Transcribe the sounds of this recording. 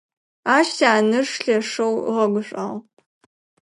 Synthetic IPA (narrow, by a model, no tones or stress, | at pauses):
aːʃtʰaːnɨʂɬɐʂɐw̰ʁɐɡʷʊɕʷʼa̰ʁ